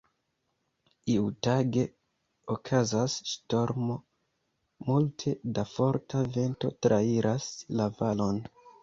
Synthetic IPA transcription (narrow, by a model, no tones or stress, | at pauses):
iutaɡe̞ | okʰazasʃto̞ɾmo̞ | multʰe̞dafo̞ɾtʰave̞nto̞tɾʔaiɾʔaslavalo̞n